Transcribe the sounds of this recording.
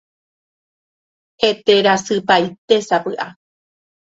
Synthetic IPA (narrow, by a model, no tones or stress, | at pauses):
he̞t̪e̞ɾasɨpajt̪e̞sapɨʔa